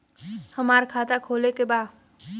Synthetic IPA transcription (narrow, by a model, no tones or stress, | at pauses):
həmaːɾkʰaːt̪akʰoːlekebaː